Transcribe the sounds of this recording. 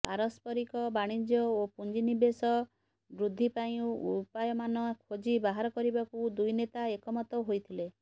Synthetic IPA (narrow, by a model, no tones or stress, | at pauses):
paɾɔspɔɾikɔbaɽ̃id͡ʒjɔopund͡ʒinibesɔ | bɾud̪ʱːipaĩupajɔmanɔkʰod͡ʒibaɦaɾɔkɔɾibakud̪ujnet̪aekɔmɔt̪ɔɦojt̪ʰile